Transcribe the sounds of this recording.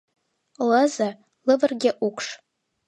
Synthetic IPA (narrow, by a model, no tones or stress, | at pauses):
ləza | lɨvɨrɡʲɪʔukʷʰʂ